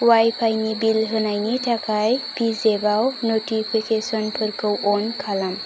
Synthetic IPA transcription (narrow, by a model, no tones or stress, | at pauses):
wajpʰajnibilɦɯnajnitʰakajpizebawnoʈipʰikesɔnpʰəɾkɯwʔonkʰalam